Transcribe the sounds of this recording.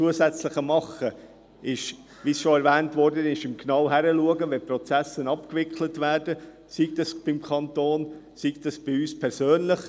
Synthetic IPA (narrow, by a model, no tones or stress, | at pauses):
uəsæt͡sləχəmɑχə | ɪʃ | ʋisʃoɛɾvɛːntvɔɾdənɪʃɪmknɑwɦæɾəluəɡəʋɛprɔt͡sæsənɑpkvɪkχʰlətvæːɾd̥ə | siɡ̚dɑsb̥ɪmkʰɑntoːn | siɡd̪ɑsb̥iyːspʰɛɾsøːnləχ